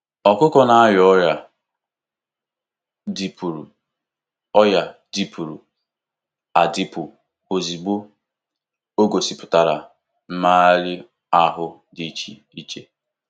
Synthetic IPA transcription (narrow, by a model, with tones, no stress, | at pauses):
ɔ˨kʊ˦kɔ˦na˦a˦jɔ˦ja˨ | di˦pu˨ɾu˨ | ɔ˦ja˨di˦pu˨ɾṵ˨ | a̰˨di˦pʊ˨ | o˨zi˨ɡ͡bo˦ | o˦ɡo˨si˨pʊ̥˨ta˨ɾa˨ | m̩˦ma˦a˦ɾɪ˦ | a˦ɦʊ˦ | di˨t͡ʃi˨ | i˦t͡ʃe˦